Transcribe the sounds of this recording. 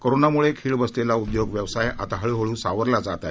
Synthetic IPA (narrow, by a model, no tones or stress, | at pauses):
koɾonamuɭekʰiːɭbəst̪elaud̪joɡʋjəʋsaja̰t̪aɦəɭiɦoɭũːsaʋəɾlad͡zat̪a̰